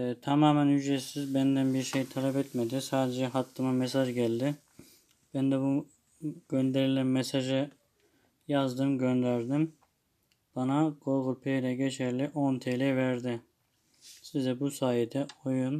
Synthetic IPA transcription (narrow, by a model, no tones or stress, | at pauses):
t̪ʰamaːmænjyd͡ʒɾesizbænd̪ænbiɾʃejt̪ʰalʲɛpɛt̪med̪isaːd̪ed͡ʒɛɦat̪ʰːɯmamɛsaʒɟælʲd̪ɪ | b̥ænd̪ɛbu | ɟ̥ønd̪e̞ɾilʲæmmesaʒɯ | jazd̪ɯmɟønd̪æɾd̪im | b̥anaɡ̥o̞ɾɣulpʰejlʲɛɟet͡ʃʰæɾlʲiʔont̪ʰelʲɛvæɾd̪ɪ | sizd̪ɛbusaːjid̪ɛojun